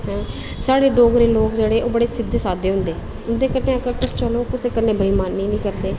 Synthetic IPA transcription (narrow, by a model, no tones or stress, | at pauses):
ɦɛ̃ː | saːɽeːɖoːɡɾeːloːkd͡ʒeːɽeːʔoːbəɽeːsɪd̪ːsaːd̪eːɦʊ̃nd̪eː | ʊnd̪eːkəneːəkəɾkəst͡ʃəloːkʊseːkəɾnẽːbʱəiːmaːnːiːnĩːkəɾd̪eː